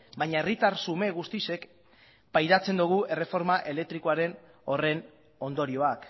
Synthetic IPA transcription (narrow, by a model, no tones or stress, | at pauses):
bajɲae̞rit̪arsume̞ɣ̞ust̪ise̞k | pajɾat͡se̞nd̪uɣ̞ue̞re̞fo̞ɾmaʔe̞le̞k̚t̪ɾikoaɾe̞n | o̞re̞n | o̞nd̪o̞ɾio̞ak